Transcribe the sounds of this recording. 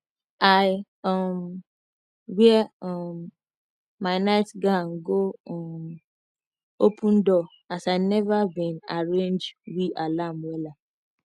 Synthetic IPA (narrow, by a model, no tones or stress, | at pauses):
aj | ɔm | wiemː | aɪnaɪtɡaŋ̩ɡoɔm | opʰun̩dɔ | asaɪnɛvabĩnaɹẽnd͡ʒwiʔalamwela